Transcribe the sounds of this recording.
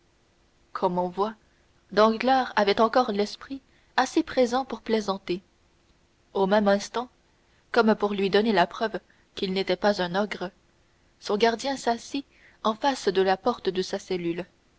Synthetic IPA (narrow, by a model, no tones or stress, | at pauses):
kʰɔmɔ̃vwa | d̪ɑ̃ɡlaʁavɛt̪ɑ̃kɔʁlɛspχi | asepχezɑ̃puʁplezɑ̃t̪e | omɛmɛ̃st̪ɑ̃ | kɔmpuʁlɥid̪ɔnelapχœv | kilnet̪ɛpazɛ̃nɔɡʁə | sɔ̃ɡaʁd̪jɛ̃sasi | ɑ̃fasd̪əlapɔʁt̪əd̪əsasɛlyl